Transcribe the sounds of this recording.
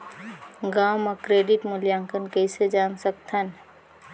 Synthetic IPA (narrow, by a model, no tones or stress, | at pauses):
ɡaːmɔkɾeːɖɪʈmʊljaːŋkənkəised͡ʒaːnsəkt̪ʰən